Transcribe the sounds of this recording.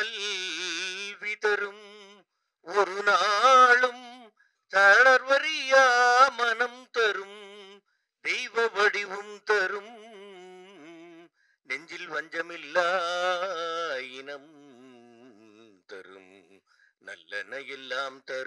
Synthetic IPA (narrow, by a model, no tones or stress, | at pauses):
ɐl | ʋɪt̪ɐɾɯm | ɔɾɯnaɭɯm | t̪ɐɽɐɾʋɐɾɪjamɐnɐmt̪ɐɾɯm | d̪ɛjʋɐʋɐɽɪʋɯmt̪ɐɾɯm | nɛɲd͡ʒɪlʋɐɲd͡ʒɐmɪlːa | jɪnɐm | t̪ɐ̰ɾɯ̰m | nɐ̰lːɐ̰nɐjɛlːaːmt̪ɐɾɯm